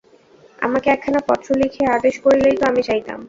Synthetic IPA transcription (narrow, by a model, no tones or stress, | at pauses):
a̰makeɛkʰːanapɔ̰t̪ɾolikʰead̪eʃkoɾilejt̪oamit͡ɕajt̪a̰m